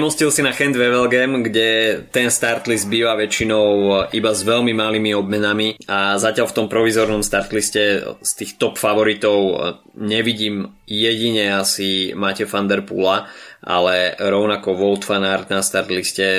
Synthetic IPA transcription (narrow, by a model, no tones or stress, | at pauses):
mɔscilsinaxɛnd̪ʋɛʋɛlɡɛmɡɟɛt̪ɛnst̪aɾt̪lizd̪biːʋaʋɛt͡ʃinɔʊʔibazʋɛlmimaliːmiɔb̚mɛnamiazacɪalft̪ɔmpɾɔʋizɔɾnɔmst̪aɾt̪liscɛst̪iːxt̪ɔpfaʋɔɾit̪ɔʊ | ɲɛʋiɟiːmjɛɟiɲɛasimacɛfand̪ɛɾpṵlaʔa̰lɛɾɔʊnakɔʋɔlt̪fanaɾt̪nast̪aɾt̪liscɛ